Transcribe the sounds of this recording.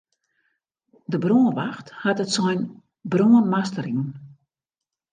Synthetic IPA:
dəbroːənʋaxthatətsɔjn | bruːənmastəɾiən

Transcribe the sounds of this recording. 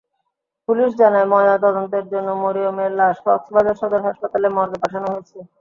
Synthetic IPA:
puliʃd͡ʑanaemɔdat̪ɔd̪ont̪eɾd͡ʑonːomoɾiomeɾlaʃkɔksbad͡ʑaɾʃɔd̪oɾɦaʃpat̪alemɔɾɡepaʈʰanoɦojet͡ɕʰe

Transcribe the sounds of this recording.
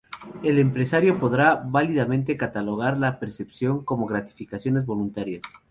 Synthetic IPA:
e̞le̞mpɾesaɾjo̞po̞ðɾaβaliðamẽnt̪ekat̪alo̞ɣ̞aɾlape̞ɾse̞psjo̞ŋko̞mo̞ɣɾat̪i̥fikasjo̞nezβo̞lunt̪aɾjas

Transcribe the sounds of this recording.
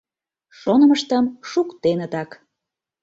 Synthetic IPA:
ʃonə̆məʃt̪əmʃukt̪enət̪ɑk

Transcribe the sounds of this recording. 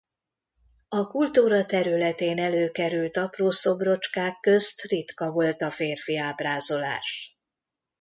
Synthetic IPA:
ɒkult̪uːɾɒt̪ɛɾylɛt̪eːnɛløːkɛɾylt̪ɒproːso̞bro̞t͡ʃkaːkːø̞st̪rit̪kɒvo̞lt̪ɒfeːrfiaːbraːzo̞la̰ːʃ

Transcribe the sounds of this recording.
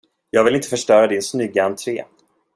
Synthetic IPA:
jɑːɡvɪlɪnt̪əfœʂʈœːɾad̪ɪnsnʏɡːaant̪ʰɾeː

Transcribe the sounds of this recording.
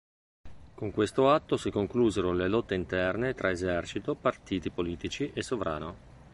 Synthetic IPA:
koŋkwest̪oat̪ːosikoŋkluːzeɾolelɔt̪ːeint̪ɛrnet̪ɾʔaezɛrt͡ʃit̪opart̪iːt̪ipoliːt̪it͡ʃiʔesːovɾʔa̰ːno

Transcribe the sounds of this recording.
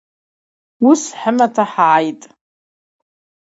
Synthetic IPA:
wusħəmatʰaħaʕajtʼ

